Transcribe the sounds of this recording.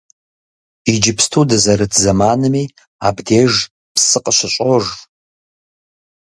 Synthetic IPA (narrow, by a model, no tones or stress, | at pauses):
id͡ʒɪpʰstʰudɨzɐɾɨtʰzɐmaːnɨmi | abdeːʒ | pʰsɨqʼəɕʷɨɕʷʼoʐ